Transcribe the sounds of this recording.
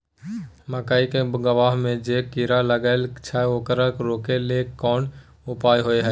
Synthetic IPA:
məkaːikeɡəʋaːɦmẽd͡ʒeːkiɾaləɡəːlt͡ʃʰaokəɾəkɾoːkeleɔːn | ʊpaːjɦoeɦɛ

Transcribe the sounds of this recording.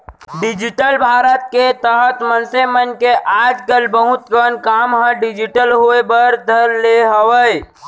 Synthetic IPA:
ɖɪd͡ʒɪʈəlbʱaːɾət̪̚ket̪əɦət̪mənsemənkeʔaːd͡ʒkəlbəɦʊt̪ɡənkaːmɦə̃ɖɪd͡ʒiʈəlɦuebəɾd̪ʱəɾleɦəʋəj

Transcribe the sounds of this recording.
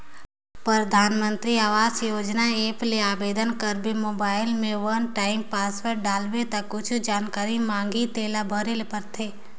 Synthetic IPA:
pɾɾəd̪ʱaːnmə̃nt̪ɾiaːʋaːsjoːd͡ʒnaeːpleaːbeːd̪ʱənkəɾbemoːbaːɪlmẽʋɐnʈaːɪmpaːswəɾɖaːlwet̪ɐkːʊt͡ʃʰd͡ʒaːnkaːɾimãːŋɡit̪eːlabʱəɾelpəɾt̪ʰeː

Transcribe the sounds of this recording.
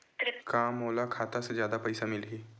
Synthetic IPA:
kamɦolakʰat̪ased͡ʑjaːd̪apəjsamɪlɦiː

